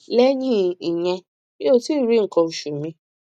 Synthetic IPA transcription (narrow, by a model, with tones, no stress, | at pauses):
lɛ˦ɲĩ˦i˨j̃ɛ̃˧ | i˦o˦˨ti˦˨ɾi˨˦ŋ̩˨kɔ̃˧u˨ʃu˨mĩ˧